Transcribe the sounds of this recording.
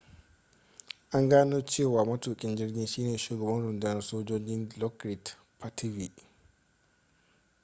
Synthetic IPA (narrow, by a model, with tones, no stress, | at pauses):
ʔa˦ŋɡaː˦noː˦t͡ʃeː˦˨waː˨mɐ˦tuː˨kʲʼɪ˦nd͡ʒɪ˦rɡʲiː˦nʃiː˦neː˨ʃuː˨ɡɐ˨bɐ˦nɽʊ˨ndɪ˦nɐ˨soː˦d͡ʒoː˦d͡ʒɪ˦nlɔ˦kɾɪ˨t | pʰa˦tʰi˦vi˨ʔ